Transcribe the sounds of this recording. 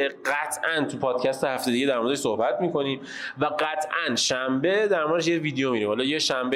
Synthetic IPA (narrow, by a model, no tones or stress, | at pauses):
eɢæt̪ʰʔænt̪ʰupʰɒːd̪̚cʰæst̪ehæft̪ed̪iɟed̪æɾmoɾed̪eʃsohbæt̪miːko̞niːm | væɡæt̪ʰʔænʃæmbed̪æɾmoɾd̪eʃ̬jeviːd̪ejomiːɾiːmhɒlɒːjeʃæmb